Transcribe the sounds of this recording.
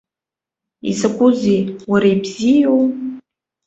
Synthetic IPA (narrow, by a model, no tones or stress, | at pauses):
ḭsakʷʼʊzejwaɾaibzijow